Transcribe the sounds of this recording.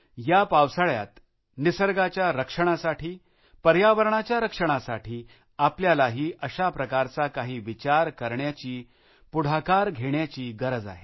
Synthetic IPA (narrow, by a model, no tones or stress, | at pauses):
japawsəɭja̰t̪ | nisəɾɡat͡ɕjaɾəkʂəɳ̃asaʈʰiː | pəɾjaʋəɾɳ̃at͡ɕjaɾəkʂəɽ̃asaʈʰiː | apljalaɦiːʔəɕapɾəkaɾt͡sakaɦiːʋit͡ɕaɾkəɾɳjat͡ɕiː | puɽ̤akaɾɡʱeɳjat͡ɕiːɡəɾəd͡za̰ɦe